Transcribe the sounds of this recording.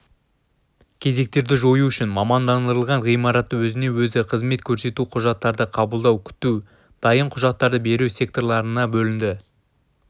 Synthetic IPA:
kʲʰe̞ze̞k̚t̪e̞ɾd̪ɪʒo̞juʏʃɪnmɑmɑnd̪ɑnd̪əɾəlˠʁɑnʁijmɑɾɑt̪ːəwɵzɪne̞wɵzɪqʰəzme̞t̪kʲʰɵɾse̞t̪uqʰʊʒɑt̪ːɑɾd̪əqʰɑbəlˠd̪ɑwkʲʰʏ̥t̪u | d̪̥ɑjəɴqʰʊʒɑt̪ːɑɾd̪əbe̞ɾusʲe̞k̚t̪o̞ɾlˠɑɾənɑbɵlɪnd̪ɪ

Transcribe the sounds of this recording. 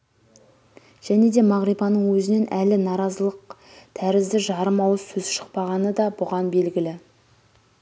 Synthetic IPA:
ʒ̥æne̞d̪e̞mɑʁɾijpɑnəɴwɵzɪne̞nʔælɪnɑɾɑzəlˠəq̚t̪ʰæɾɪzd̪ɪʒɑɾəmɑwəzsɵzʃə̥q̚pɑʁɑnəd̪ɑbʊʁɑnbe̞lɡʲɪlɪ

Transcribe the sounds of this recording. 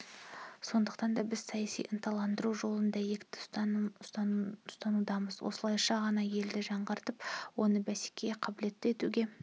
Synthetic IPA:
so̞nd̪əqt̪ɑnd̪ɑbɪz̥sɑjɑsḭjʔənt̪ʰɑlˠɑnd̪əɾuʒo̞lˠənd̪ɑje̞kt̪ɪ̥ʊst̪ɑʊst̪ɑnud̪ɑməzwo̰səlˠɑjʃɑʁɑnɑje̞ld̪ɪʒɑɴʁɑɾt̪əpwo̞nəbæse̥kʲe̞qʰɑbɪle̞t̪ːɪe̞t̪uɡʲe̞

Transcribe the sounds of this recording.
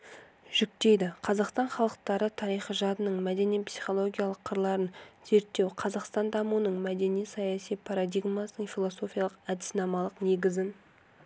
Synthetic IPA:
ʒ̥ʏk̚t̪e̞jd̪ɪqʰɑzɑqst̪ɑɴχɑlˠəq̚t̪ɑɾət̪ʰɑɾijχəʒɑd̪ənəɴmæd̪e̞nijpsi̥χo̞lˠo̞ɡʲijalˠəqʰːəɾlˠɑɾənze̞ɾt̪ːe̞wqʰɑzɑqst̪ɑnd̪ɑmuwənəɴmæd̪e̞nijsɑjɑsijpʰɑɾad̪iɡmasnəɴfʲilˠo̞so̞fʲijalˠəqæd̪ɪ̥snɑmɑlˠəqne̞ɡʲɪzɪn

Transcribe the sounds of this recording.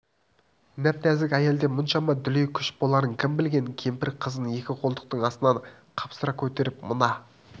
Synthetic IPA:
næp̚t̪æzɪkʲæje̞ld̪e̞mʊnʃɑmɑd̪ʏlejkʲʰʏʃbolˠɑɾəŋkʲʰɪmbɪlɡʲe̞ŋkʲʰe̞mpɪɾqʰəzənəne̞kʲɪqʰolˠd̪əq̚t̪əɴɑst̪ənɑɴ | qʰɑpsəɾɑkʲʰɵt̪e̞ɾɪpmʊnɑ

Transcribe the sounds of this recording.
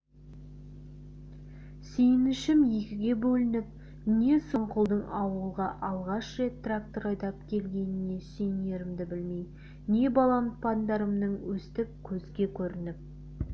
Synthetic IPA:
sejɪnɪʃɪmje̞kʲɪɡʲe̞bɵlɪnɪp̚ | ne̞soɴqʰʊlˠd̪əɴɑwəlˠʁɑʔɑlˠʁɑʃɾe̞t̪̚ːrak̚t̪oɾɑjd̪ɑpkʲʰe̞lɡʲe̞nɪne̞sejɪne̞ɾɪmd̪ɪbɪlmej | ne̞bɑlˠɑnt̪̚pʰɑnd̪ɑɾəmnəɴwɵst̪ɪp̚kʲʰɵzɡʲe̞kʲʰɵɾɪnɪp̚

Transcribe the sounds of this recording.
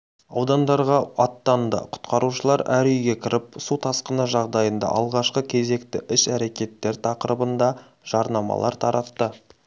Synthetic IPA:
ɑwd̪ɑnd̪ɑɾʁɑɑt̪ːɑnd̪ə̰qʰʊ̥t̪qɑɾuʃəlˠɑɾæɾʏjɡʲe̞kʲʰɪɾʔɪpsut̪ʰɑsqənəʒɑʁd̪ɑjənd̪ɑ̰ʔɑlˠʁɑʃqəkʲʰe̞ze̞kt̪ɪʔɪʃæɾe̞kʲe̞t̪ːe̞ɾt̪ʰɑqəɾəbənd̪ɑ | ʒ̥ɑɾnɑmɑ̰lˠɑ̰ɾt̪ʰɑɾɑt̪ːə

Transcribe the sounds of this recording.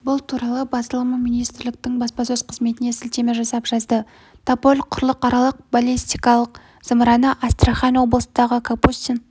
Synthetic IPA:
bʊlˠt̪ʰuɾɑlˠəbɑsəlˠəməminijst̪ɾlɪk̚t̪ɪŋbɑspɑsɵzqʰəzme̞t̪ɪne̞sɪlt̪e̞meʒɑsɑpʒɑzd̪ə | t̪ʰapolʲqʰʊɾlˠəqɑɾɑlˠəq̚balʲist̪ijkɑlˠəq̚ | z̥əmɾɑnəʔast̪raχɑnwo̞blˠəsnd̪ɑʁəkʰapust̪in

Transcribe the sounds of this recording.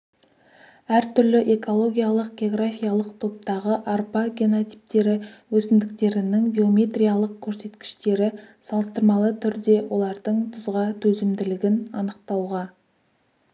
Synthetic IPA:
æɾt̪ʰʏɾlɪʔe̞ko̞lˠo̞ɡʲijalˠəq̚ɡʲeo̞ɡɾafijalˠəq̚t̪ʰo̞p̚t̪ɑʁəʔarpɑɡʲeno̞t̪i̥p̚t̪e̞ɾɪwɵsɪnd̪ɪk̚t̪e̞ɾɪnɪŋbʲio̞mʲe̞t̪rʲijalˠəq̚kʲʰɵɾse̞t̪kʲɪ̥ʃt̪e̞ɾɪsɑlˠəst̪əɾmɑlˠət̪ʰʏɾd̪e̞wʔo̞lˠɑɾd̪əɴt̪ʰʊzʁɑt̪ʰɵzɪmd̪ɪlɪɡʲɪnɑnəq̚t̪ɑwʁɑ

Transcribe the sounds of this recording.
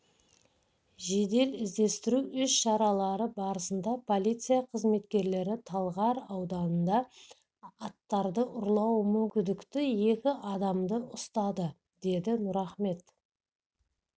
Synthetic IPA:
ʒe̞d̪e̞lɪzd̪e̞st̪ɪɾuʔʏsʃɑɾɑlˠɑɾəbɑɾəsənd̪ɑpʰo̞lʲˠit̪sɨjaqʰəzme̞t̪kʲe̞ɾle̞ɾɪt̪ʰɑlˠʁɑɾɑwd̪ɑnənd̪ɑː | t̪ːɑɾd̪əʔʊɾlˠɑwmʏŋkʲɪnd̪ɪkt̪ɪje̞kʲɪʔɑd̪ɑmd̪əʔʊst̪ɑd̪ə | d̪̥e̞d̪ɪnʊɾɑχme̞t̪

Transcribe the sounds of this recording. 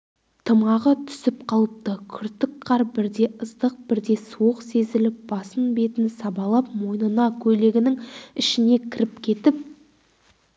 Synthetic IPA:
t̪ʰəmɑʁət̪ʰʏ̥sɪpqʰɑlˠəp̚t̪əkʲʰʏɾt̪ɪkqʰɑɾbɪɾd̪e̞ʔəzd̪əq̚bɪɾd̪e̞suwəqse̞zɪlɪp̚b̥ɑsənbe̞t̪ɪnsɑbɑlˠɑpmo̞jnənɑkʲʰɵle̞ɡʲɪnɪŋɪʃɪne̞kʲʰɪɾɪp̚kʲʰe̞t̪ɪp̚

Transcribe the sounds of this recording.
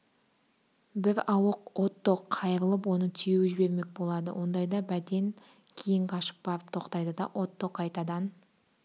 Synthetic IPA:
bɪɾɑwəqwo̞t̪ːoqʰːɑjəɾəlˠəpwo̞nət̪ʰʏjewʒɪbe̞ɾme̞k̚ʲbo̞lˠɑd̪ə̰wʔo̞nd̪ɑjd̪ɑbæd̪e̞ŋ | kʲʰejɪŋqʰɑʃə̥p̚bɑɾəp̚t̪ʰo̞qt̪ɑjd̪əd̪ɑʔo̞t̪ːoqɑjt̪ɑd̪ɑn

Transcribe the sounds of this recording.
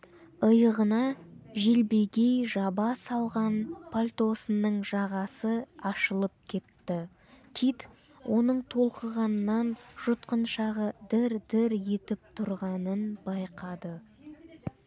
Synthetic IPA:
əjəʁənɑʒelbeɡʲejʒɑbɑsɑlˠʁɑnpʰolʲt̪o̞sənːəɴʒɑʁɑsəɑʃəlˠəp̚kʲʰe̞t̪ːɪ | t̪ʲʰit̪ | wʔo̞nəɴt̪ʰo̞lˠqəʁɑnːɑnʒ̥ʊt̪qənʃɑʁəd̪ɪɾd̪ɪɾje̞t̪ɪp̚t̪ʰʊɾʁɑnənbɑjqɑd̪ə

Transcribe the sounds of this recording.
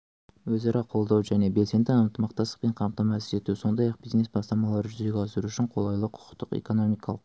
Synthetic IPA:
wɵzɑɾʔɑqʰo̞lˠd̪ɑwʒæne̞be̞lse̞nd̪ɪənt̪əmɑqt̪ɑst̪əq̚peɴqʰɑmt̪ɑmɑsɪ̥ɾe̞t̪uso̞nd̪ɑjɑq̚bijzne̞sbɑst̪ɑmɑlˠɑɾʒʏze̞ɡʲɑsəɾuʏʃɪɴqʰo̞lˠɑjlˠəqʰʊ̥qt̪əqḛko̞no̞mijkɑlˠəq

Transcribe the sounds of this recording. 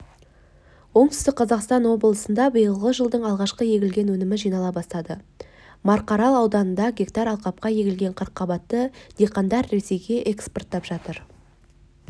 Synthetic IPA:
wo̞ɴt̪ʏ̥st̪ɪkqʰɑzɑqst̪ɑnwo̞blˠəsənd̪ɑbəjəlˠʁəʒəlˠd̪əɴɑlˠʁɑʃqəje̞ɡʲɪlɡʲe̞nwɵnɪmɪʒijnɑlˠɑbɑst̪ɑd̪ə | mɑɾqɑɾɑlˠɑwd̪ɑnənd̪ɑɡʲekt̪ɑɾɑlˠqɑp̚qɑje̞ɡʲɪlɡʲe̞ɴqʰəɾqːɑbɑt̪ːəd̪̥eqɑnd̪ɑɾːe̞se̞jɡʲe̞ʔeksport̪ʰːɑpʒ̥ɑt̪əɾ

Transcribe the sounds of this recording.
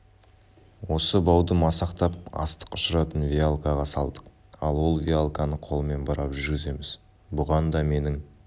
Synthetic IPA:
wo̞səbɑwd̪əmɑsɑqt̪ɑp̚ɑ̰st̪ə̥qʊʃəɾɑt̪ənvʲialˠkaʁɑsɑlˠd̪əq̚ | ɑ̰lˠwo̞lˠvʲijalˠkanəqʰo̞lˠəme̞nbɑɾɑpʒʏɾɡʲɪze̞mɪz̥ | bʊʁɑnd̪ɑme̞nɪŋ

